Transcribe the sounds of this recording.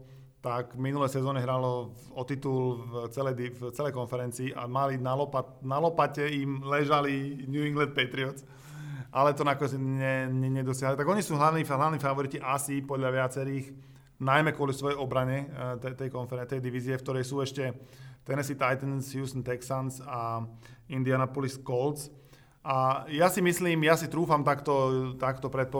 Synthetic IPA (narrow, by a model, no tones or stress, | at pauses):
t̪akminulɛjsɛzɔːɲɛɦɾalɔ | ɔt̪it̪ult͡sɛlɛjd̪ift͡sɛlɛjkɔnfɛɾɛnt͡siːʔa̰malinalɔpat̪nalɔpacɛimlɛʒaliɲjuːiŋɡlant̪̚pɛt̪ɾiɔt͡s | ʔalɛt̪ɔnakɔɲɛt͡sɲɛɲɛɲɛd̪ɔsɪaɦalit̪aɡɔɲisuːɦlaʋniːɦlaʋniːfaʋɔɾiciʔasipɔd̪ʎaʋɪat͡sɛɾiːx | najmɛkwʊɔlisʋɔjɛjɔbɾaɲɛt̪ɛt̪ɛjkɔnfɛɾɛnt̪ɛjd̪iʋiziɛfkt̪ɔɾɛjsuːɛʃcɛt̪ɛnɛsit̪ajt̪ɛnshjuːst̪ɔnt̪ɛksansa | ind̪ianapɔliskɔlt͡s | ʔajasimisliːmjasit̪ɾuːfamt̪akt̪ɔt̪akt̪ɔpɾɛt̪̚pɔ